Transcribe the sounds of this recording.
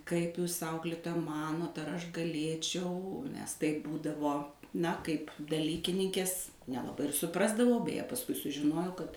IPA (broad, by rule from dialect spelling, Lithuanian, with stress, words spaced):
kɐɪp ˈjuːs ˈɐʊklʲɪtoːjɛ ˈmɑːnoːt ɐr ˈɐʃ ɡɐˈlʲeːt͡ʃʲɛʊ mʲɛs tɐɪp ˈbuːdɐʋoː ˈnɐ kɐɪp dɐˈlʲiːkʲɪnʲɪŋʲkʲeːs nʲɛlˠɐˈbɐɪ ɪr sʊˈprɑːzdɐʋɐʊ bʲɛˈjɛ pɐsˈkʊɪ sʊʒʲɪˈnoːjɛʊ kɐt